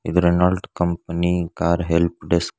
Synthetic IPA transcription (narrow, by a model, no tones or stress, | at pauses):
id̪ɾenaːlɖkɐmpɐnikaːɾɦelp̚ɖes